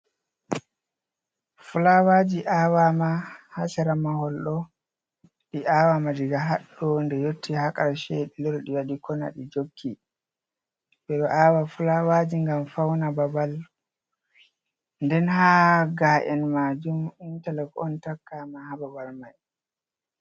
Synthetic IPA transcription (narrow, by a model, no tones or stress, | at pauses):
fulawad͡ʒiʔaːwamahasaɾamahɔlɗɔ | ɗiawamadiɡaɦaɗːɔndɛjotːihakʼaɾʃɛɗilɔɾɔɗiwaɗikɔna̰ɗid͡ʒokʰːi | bɛɗɔʔawafulawad͡ʒiŋɡamfawnababal | ndɛnhaɡaːʔɛnmad͡ʒumintɛlɛkɔ̰ntakːamahababalmaj